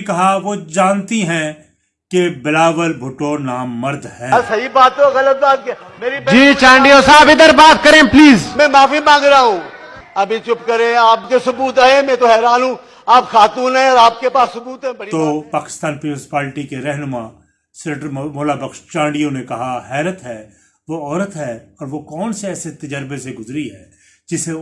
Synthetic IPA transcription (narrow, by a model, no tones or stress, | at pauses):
kɐɦaʋod͡ʒaːnt̪iɦɛ̃ | kebɪlaːʋəlbʱʊʈːonaːmːɐɾd̪ʱhɛ̃ːsɐɦibaːt̪ːoɣɐlət̪̚baːt̪̚ː | meːɾipd͡ʒiːt͡ʃãːɳɖijosaːbɪd̪əɾbaːt̪kɐɾẽːpliːzmɛ̃ːmaːfimãːŋɡɾaaɦũː | ɐbʱĩt͡ʃʊpkɐɾẽaːpkesʊbuːt̪aɦẽmɛ̃ːt̪oɦɛːɾaːnɦũː | aːpxaːt̪uːnɦɛ̃ɔːɾaːp̚kepaːsːʊbuːt̪ɦɛ̃bɐɽit̪oːpaːkɪ̥st̪aːnpɾʊ̃nspaːlʈikeɾɛɦnʊma | sɛnʈəɾmoːlabɐkʃt͡ʃãːɳɖijõnekɐɦahɛːɾət̪ɦɛː | ʋoɔːɾət̪ɦɛːɔːɾʋokɔːnseɛːset̪ɐd͡ʒəɾbeseɡʊzɾiɦɛː | d͡ʒɪse